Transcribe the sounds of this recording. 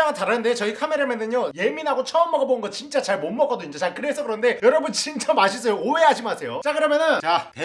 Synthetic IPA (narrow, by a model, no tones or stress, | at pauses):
aŋɯɭtaɾanɯndet͡ɕʌikʰame̞ɾamenɯɲjoje̞minɦaɡot͡ɕʰʌːmːʌɡʌbonɯnɡʌt͡ɕint͡ɕ͈at͡ɕaɭmomːʌk͈ʌdoiɲd͡ʑʌt͡ɕaɭkɯɾe̞sʰʌkɯɾʌnde̞jʌɾʌbunt͡ɕint͡ɕ͈amaɕʰis̬͈ʌjoowe̞ɦaɕʰimɯasʰe̞jot͡ɕ͈akɯɾʌmjʌnɯnt͡ɕa